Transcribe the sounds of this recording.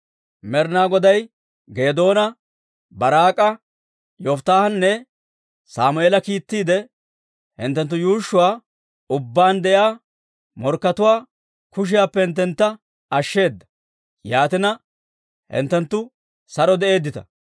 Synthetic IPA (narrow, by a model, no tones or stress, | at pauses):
mɛɾnaːɡɔd̪ɐj | ɡe̞ːd̪o̞ːnɐ | bɐɾaːkʼɐ | jɔft̪aːhɐnːɛ | saːmʊeːlɐkiːt̪ːiːd̪ɛ | hɪ̰nt̪ːɛnt̪ːʊjuːʃːʊwaː | ʊbːaːnd̪ɛʔjaː | mɔɾkːɐt̪ʊwaː | kʊʃ̬ɪjaːpːɛhɪnt̪ːɛnt̪ːɐ | ɐʃːe̞ːd̪ːɐ̥ | jaːt̪ɪnɐ | hɪ̰nt̪ːɛnt̪ːʊ | sɐɾɔd̪ɛʔe̞ːd̪ːɪt̪ɐ̰